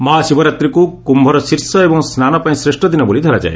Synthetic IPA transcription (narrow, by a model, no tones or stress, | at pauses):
mɔɦasibɔɾat̪ɾikukumbʱɔɾɔsiɾsɔebɔŋsnanɔpaĩsɾesʈɔd̪inɔbolid̪ʱɔɾad͡ʒa̰e